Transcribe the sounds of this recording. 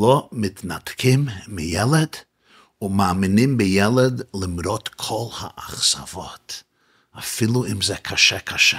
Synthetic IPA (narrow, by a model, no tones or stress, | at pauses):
lɔmɪtnatkʰɪmːɪjɛlˠəd | ʊnmamɪnɪmbɪjɛlˠədlɪmɾɔtkʰɔlˠha̰ʔaχsavɔt | afɪlˠuɪmzɛkʰaʃɛkʰaʃɛ